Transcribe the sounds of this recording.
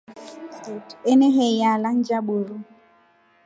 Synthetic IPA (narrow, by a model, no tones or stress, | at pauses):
eneɦejalan̩d͡ʒaɓoɾu